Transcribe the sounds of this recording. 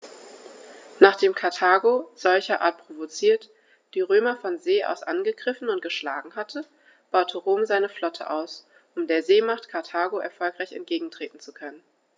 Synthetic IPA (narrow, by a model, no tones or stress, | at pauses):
naːχd̥eːmkʰaɐtʰaːɡoz̥ɔlçɐʔa̰ɐt̚pʁ̥ovot͡siːɐt | d̥iːʁøːmɐfɔnzeːʔa̰ʊsʔa̰nɡəɡʁɪfn̩ʊnt̚ɡ̥əʃla̰ːɡŋ̩hatʰə | b̥aʊtʰəʁoːmzaɪnəflɔtʰə̰ʔa̰ʊs | ʔʊmdeːɐzeːmaχtkʰaɐtʰaːɡoɛɐfɔlkʁ̥aɪçɛ̰nt̚ɡ̥eːɡŋ̩tʁ̥eːtn̩t͡sukʰœnən